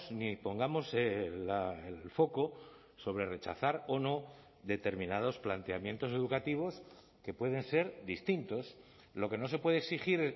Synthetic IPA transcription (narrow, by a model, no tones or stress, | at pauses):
snipo̞ŋɡamo̞selaelfo̞ko̞ | so̞βɾe̞re̞t͡ʃa̰θaɾo̞no̞ | ðe̞t̪e̞ɾmĩnað̞o̞splant̪e̞amje̞nt̪o̞se̞ðukat̪iβ̞o̞s | ke̞pwe̞ð̞e̞nse̞ɾðist̪int̪o̞s | lo̞ke̞no̞s̬e̞pweðeksixiɾ